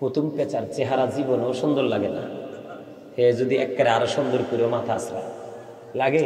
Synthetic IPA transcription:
pot̪ʰumpɛt͡ɕaɾt͡ɕeɦaɾad͡ʑibonoʃɔnd̪oɾlaɡena̰ | hed͡ʑod̪iɛkːaɾeaɾoʃɔnd̪oɾkuɾiomat̪ʰaasɾa̰ | laɡe

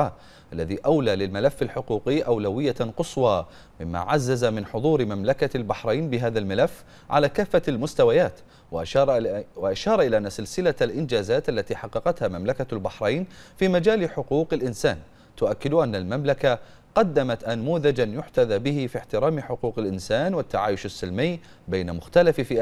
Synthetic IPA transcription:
a | ʔalːaðiːʔawlaːlɪlmalafːalħʊquːqɪːʔawlawɪjːaqɨswɑː | mɪmːa̰ːʕazːazamɪnħʊðˤuːɾmamlakalbaħɾˤɑjnbɪɦaːðalmalafː | ʕa̰laːkaːfːalmʊst̪awajaːt̪ː | wɪʔaʃɑːɾˤɑʔɪlaːʔanːasɪlsɪlalʔɪnd͡ʒaːzaːt̪ʔalːat̪iːħɑqːɑqɑt̪haːmamlakalbaħɾˤɑjnfiːmad͡ʒaːlɪħʊquːqɪlʔɪnsaːn | t̪ʊʔakːɪd̪ʔanːalmamlaka | qɑd̪ːamat̪ʔanmuːðad͡ʒanjʊħt̪aðaːbɪhɪfiħt̪ɪɾaːmħʊquːqɪlʔɪnsaːnwɪt̪ːaʕaːjʊʃasːɪlmɪjbeːnamʊxt̪alaffiː

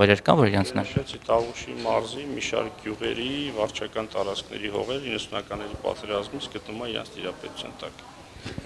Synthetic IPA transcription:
ɛɾɛɾkɑnvɔɾiɾɑnt͡sʰnɑʃɛt͡sʰit̪ɑʁuʃimɑɾzimiʃɑ̰ɾk̚ɡjuʁɛ̰ɾivɑɾt͡ʃʰɑkɑnt̪ɑɾɑt͡skʰnɛ̰ɾiɦɔ̰ʁɛɾəinːəsunɑkɑnːɛɾipɑ̰t̪ɛɾɑzmit͡sʰɡət̪numɑiɾɑ̰nt͡sʰt̪ʰiɾɑpɛt̪u̥t͡sʰjɑ̰nt̪ɑk

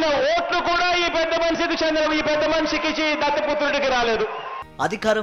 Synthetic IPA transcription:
nɐoːʈlukuːɽaːiːpɛd̪ːɐmɐnʃik̪it͡ʃɐnd̪ɾɐiːpɛd̪ːɐmɐnʂikit͡ʃid̪ɐt̪ːɐput̪ːɾuɽikiɾaːle̞ːd̪u | ɐd̪ʱikaːɾɐ

